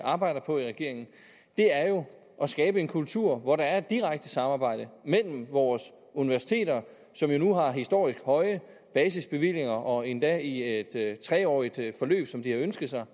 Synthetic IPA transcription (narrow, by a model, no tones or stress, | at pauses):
ɑ̈ːb̥ɑ̈ɪ̰d̥ɐpʰɒ̽iʁaɡ̥e̝ɐeŋn̩ | d̥e̝æɐjo̝ | ʔɒ̽sɡ̥ɛːb̥əe̝nkʰult͡sʰuɐ̰ʋɒɾɑ̈æɐe̝d̥̚iʁäɡ̥̚d̥əsɑ̈mɑ̈ːb̥ɑ̈ɪ̰d̥əmel̰m̩ʋɒːs | uniʋæɐsi̥t͡sʰe̝̰ːɾɐ | sɒ̽mjo̝nuɦɑ̈ɦisd̥o̝̰ːisɡ̥hɒ̽ɪə | b̥ɛːs̬isb̥e̝ʋil̰je̝ŋɐʔɒ̽e̝nd̥ɛied̥t͡sʰʁɛɒ̰ːid̥fɒ̽lø̰ːb̥sɒ̽md̥ihɑ̈ønsɡ̥ð̩ˠsɑ̈ɪ